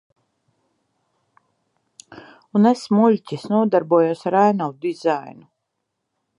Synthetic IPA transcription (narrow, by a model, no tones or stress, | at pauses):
unesmulʲcʲisnuɔd̪aɾbuɔjosaɾæjnawd̪izajnu